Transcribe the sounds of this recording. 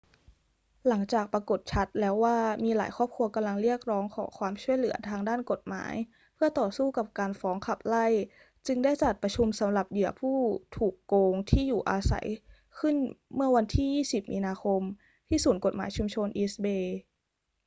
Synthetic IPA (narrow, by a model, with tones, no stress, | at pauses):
la˩˦ŋt͡ɕaː˨˩k̚pɾa˧ko˨˩t̪̚t͡ɕʰa˦˥t̪̚lɛː˦˥waː˥˩miː˧la̰ː˩˦jkʰxʰɔː˥˩p̚kʰu˧ɐka˧mla˧ŋɾi˥˩ək̚ɾɔː˦˥ŋkʰɔ̰ː˩˦ŋkʰwaː˧mt͡ɕʰu˥˩əjlɯ˩˦ɐt̪ʰaː˧ŋdaː˥˩nko˨˩t̪̚ma̰ː˩˦j | pʰɯ˥˩ɐt̪ɔː˨˩suː˥˩ka˨˩p̚kaː˧nfɔː˦˥ŋkʰa˨˩p̚la˥˩j | t͡ɕɯ˧ŋda˥˩jt͡ɕ̪a˨˩t̪̚pɾa˧t͡ɕʰu˧msa˩˦mɾa˨˩p̚jɯ˨˩ɐpʰuː˥˩t̪ʰuː˨˩kːoː˧ŋt̪ʰiː˥˩juː˨˩ʔaː˧sa̰˩˦j | kʰɯ˥˩nmɯ˥˩ɐwa˧nt̪ʰiː˥˩jiː˥˩si˨˩p̚miː˧naː˧xʰo˧m | t̪ʰiː˥˩suː˨˩˦nko˨˩t̪̚ma̰ː˩˦jt͡ɕʰu˧mt͡ɕʰo˧nʔi˦˥sbeː˧